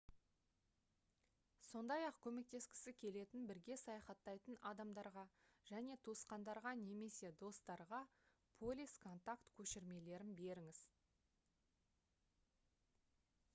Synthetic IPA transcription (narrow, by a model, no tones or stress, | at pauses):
so̞nd̪ɑjɑqkʲʰɵme̞k̚t̪e̞skʲɪ̥sɪkʲʰe̞le̞t̪ɪnbɪɾɡʲe̞sɑjɑχɑt̪ːɑjt̪ənɑd̪ɑmd̪ɑɾʁɑʒ̥æne̞t̪ʰosqɑnd̪ɑɾʁɑne̞me̞se̞d̪o̞st̪ɑɾʁɑ | pʰo̞lʲijskʰo̞nt̪akt̪kʲʰɵʃɪɾme̞le̞ɾɪnbe̞ɾɪŋɪz̥